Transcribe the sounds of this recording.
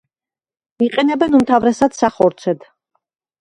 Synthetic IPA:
iqʼɛnɛbɛnumt̪ʰavɾɛsad̪saχɔɾt̪sʰɛd̪

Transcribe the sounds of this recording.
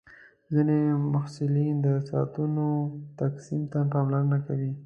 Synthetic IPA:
zinemʊhsɪlind̪əsɑt̪unot̪aksimt̪ap̬ɑmlaɾənakawi

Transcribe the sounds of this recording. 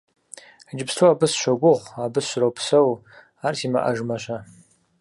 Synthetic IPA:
d͡ʒɪpʰstʰuabɨsʃʷaɡʷʊʁʷabɨsʃʷɾawpʰsaw | artʰima̰ʔa̰ʒmaʃʷa

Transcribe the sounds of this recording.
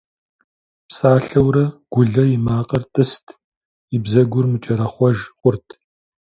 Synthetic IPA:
psaːɬɐwɾɐɡ̥ʷʊɮɐjɪmaːqʼɐrtʼɨstʰ | ɪbzɐɡʷʊrmɨt͡ʃʼɐɾɐχʷɔʒqʷʼʊrtʰ

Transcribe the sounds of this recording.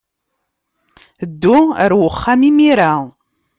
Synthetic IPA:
d̪ːuəɾwəχːamimiɾa

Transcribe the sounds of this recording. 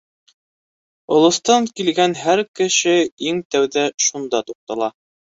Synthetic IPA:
ŏlˠɤ̆st̪ɑŋkilɡænɦæɾkɘ̆ʃɘiŋt̪æwðæʃund̪ɑt̪uq̚t̪ɑlˠɑ

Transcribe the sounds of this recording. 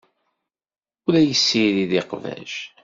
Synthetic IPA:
ulæjəsːiɾiðiqvæ̰ʒ

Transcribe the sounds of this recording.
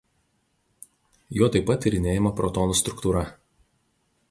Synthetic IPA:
joːt̪ɐɪpːɐt̪ʲːɪɾʲɪnʲeːjɪmɐpɾɔt̪ɔːnuːst̪ɾʊkt̪uːɾɐ

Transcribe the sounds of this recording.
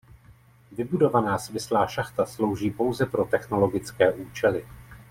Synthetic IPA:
vɪbudo̞vanaːsmɪslaːʃaxt̪aslo̞wʒiːpo̞wzɛpɾo̞t̪ɛxno̞lo̞ɡɪt͡skɛːʔuːt͡ʃɛlɪ

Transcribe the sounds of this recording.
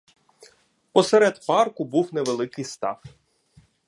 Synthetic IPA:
pɔsɛɾɛd̪pɑrkʊbuwneʋelˠɪkɪjst̪ɑ̰f

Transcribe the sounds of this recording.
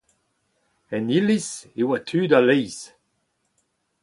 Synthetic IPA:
ɛnilisewat̪ʰyːdalɛjs

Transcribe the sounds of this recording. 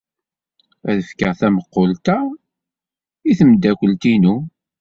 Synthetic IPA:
æðəfkəʁθæməqːolt̪æ | iθəmd̪ːækʷəlt̪inu

